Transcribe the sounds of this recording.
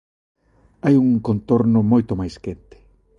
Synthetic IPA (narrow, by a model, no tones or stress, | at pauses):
ajuŋkont̪oɾnʊmojt̪omajskent̪ɪ̥